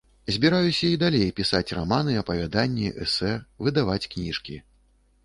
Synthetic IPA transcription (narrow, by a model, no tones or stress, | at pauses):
zʲbʲiɾajusʲɐid̪alʲejpʲisat͡sʲramanɨɐpɐvʲad̪anʲːiʔɛ̰sɛvɨd̪avat͡sʲknʲiʂkʲi